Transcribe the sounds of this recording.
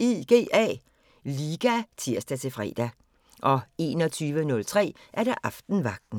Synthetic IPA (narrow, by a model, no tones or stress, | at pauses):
ʔḛːɡ̥e̝̰ːɛ̰ː | liːɡ̥æt͡sʰiɐsd̥æt͡sʰe̝fʁɛ̰ːd̥æ | ʔɒ̽e̝̰ːnɒ̽t͡sʰyːʋənɔ̽lt͡sʰʁɛ̰ːʔæɐɾ̥ɑʔɑ̈fd̥n̩ʋɑ̈ɡ̥̚d̥n̩